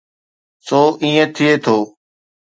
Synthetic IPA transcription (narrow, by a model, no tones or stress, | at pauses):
soːʔĩːə̃t̪ʰɪeːt̪ʰoː